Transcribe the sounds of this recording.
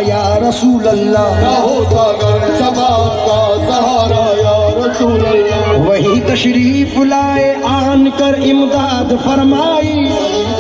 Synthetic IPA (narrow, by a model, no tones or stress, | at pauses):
jaːɾɐsuːlɐlːaːɦoasɐbaːkaː | ɦɾjaːɾɐsuːlɐlːwɐɦit̪ɐʃɾiːflaːeʔaːnkɐɾɪmd̪aːd̪fɐɾmaːi